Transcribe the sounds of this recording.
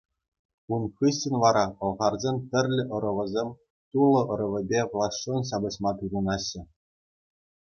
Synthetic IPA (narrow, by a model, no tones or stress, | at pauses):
unχɯɕːɘ̆nʲʋɑɾɑɤ̆lˠʁɑrzʲenʲt̪ʲɘ̆rʲlʲɘ̆ʔɤ̆ɾɤ̆ʋɤ̆zʲemʲ | t̪ulˠɤ̆ʔɤ̆ɾɤ̆ʋʲɘ̆bʲeʋlˠɑsːonɕɑbɤ̆ɕmɑt̪urunɑɕːɘ̆